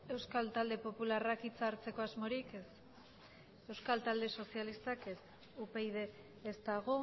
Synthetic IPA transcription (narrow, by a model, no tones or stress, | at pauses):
e̞wskalt̪ald̪e̞po̞pularakit͡saɾt͡se̞ko̞azmo̞ɾikes | e̞wskalt̪ald̪e̞so̞sialist̪akes | upejðe̞ː | st̪aɣ̞o̞